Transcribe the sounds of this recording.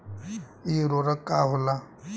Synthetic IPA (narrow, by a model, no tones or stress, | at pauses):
iɾoɾəkːaɦola